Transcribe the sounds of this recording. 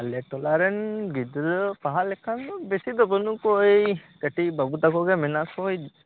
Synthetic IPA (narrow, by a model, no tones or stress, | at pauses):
alɛʈɔlaɾɛnɡid̪ɾɯpaɦalɛkʰanɔbesid̪ɔbənukɔejkaʈibabut̪akɔɡɛmɛnakʰɔj